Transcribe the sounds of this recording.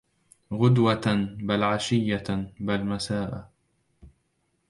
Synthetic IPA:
ɣʊd̪wabalʕaʃɪjːabalmasaːʔa

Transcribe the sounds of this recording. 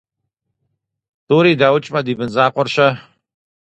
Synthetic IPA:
tuːɾiːdaːwʊt͡ʃʼmɐd̪iːbɨnzaːqʷɔrʃɐ

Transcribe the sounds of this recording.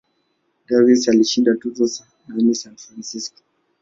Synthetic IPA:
ɡavisaliʃindatuzɔsa | nanisanfɾansiskɔ̥

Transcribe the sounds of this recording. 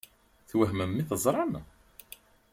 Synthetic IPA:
θwəɦməmːiθəzˤɾˤɑm

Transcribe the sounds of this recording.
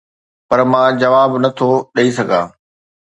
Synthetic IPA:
pɐɾmãːd͡ʑɐʋaːbnɐt̪ʰoɗɐisɐɡʱa̰ː

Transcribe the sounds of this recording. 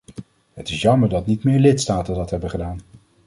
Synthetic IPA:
ɦətɪsjɑməɹdɑtnitmɪːɹlɪtstaːtəndɑtɦɛbəχədaːn

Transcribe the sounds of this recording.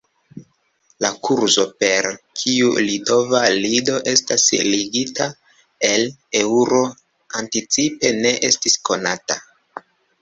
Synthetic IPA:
lakuɾzo̞pe̞ɾkʰiulito̞valido̞ʔe̞stasliɡita | e̞le̞wuɾo̞ | antit͡sipe̞ne̞ʔe̞stisko̞nata

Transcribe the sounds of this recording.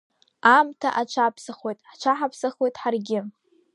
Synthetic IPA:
amtʰaʔat͡ʃʷʰapʰsaχwo̞jtʼħt͡ʃʷʰaħapʰsaχo̞jtʼħarɡʲɪ

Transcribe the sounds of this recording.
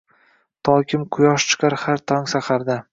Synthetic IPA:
t̪ʰɒkʲʰɪmqʰʊjɒʃt͡ʃʰɪ̥qʰɑɾhaɾt̪ʰɒŋsaqʰɑɾd̪ɪ

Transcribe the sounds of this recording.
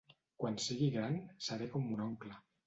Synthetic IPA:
kwansiɣiɣɾansaɾekomunɔŋkla

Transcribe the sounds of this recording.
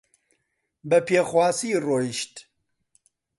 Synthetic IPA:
bəpʰeːxwaːsiːroːjiʃt̪

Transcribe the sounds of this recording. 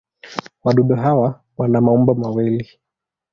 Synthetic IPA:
waɗuɗuɦawa | wanamaumbɔmawili

